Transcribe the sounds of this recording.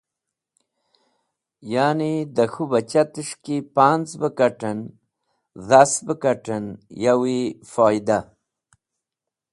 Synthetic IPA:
jaːnid̪əxubat͡ɕat̪əʂkipaːnt͡sbəkaʈən | ðasbəkaʈənjawifaːjd̪a

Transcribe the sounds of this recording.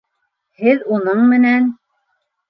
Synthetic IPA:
hɘðunɤɴmɘ̆næn

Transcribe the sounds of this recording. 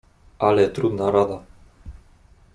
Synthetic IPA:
alet̪ɾud̪naɾaða

